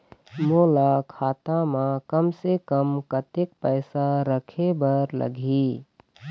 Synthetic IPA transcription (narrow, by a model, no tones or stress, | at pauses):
moːlakʰaːt̪amãkəmsekəmkət̪ɪk̚pəɪsaɾəkʰebəɾlə̰ɡʱi